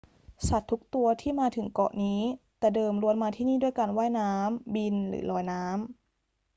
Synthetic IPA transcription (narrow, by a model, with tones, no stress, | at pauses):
sa˨˩t̪ʰːu˦˥k̚t̪u˧ɐt̪ʰiː˥˩maː˧t̪ʰɯ˩˦ŋkɔ̰˨˩ʔniː˦˥t̪ɛː˨˩dɤː˧mɾu˧ənmaː˧t̪ʰiː˥˩niː˥˩du˥˩əjka˧nwaː˥˩jnaː˦˥mbi˧nɾɯ̰ː˩˦lɔː˧jnaː˦˥m